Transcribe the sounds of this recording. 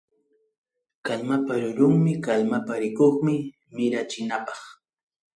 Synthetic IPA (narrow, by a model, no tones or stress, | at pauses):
kalmapaɾʊɾʊŋmɪkalmapaɾɪkoχmɪ | mɪɾat͡ʃɪnapɑχ